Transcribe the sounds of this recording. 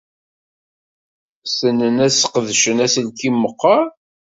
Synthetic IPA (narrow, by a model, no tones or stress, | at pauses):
sənːənæsqəðʃənæsəlkimːəqːɑɾ